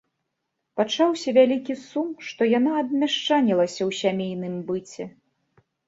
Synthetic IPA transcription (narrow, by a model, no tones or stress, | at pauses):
pat͡ʂawsʲɐvʲalʲikʲisumʂt̪ɔjanaːd̪̚mʲaʂt͡ʂanʲilˠɐsʲɐwsʲamʲejnɨmbɨt͡sʲɛ